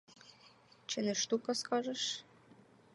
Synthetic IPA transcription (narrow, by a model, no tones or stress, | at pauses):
t͡ɕɘ̆nĕʃt̪ukɑskɑʒɤ̆ʃ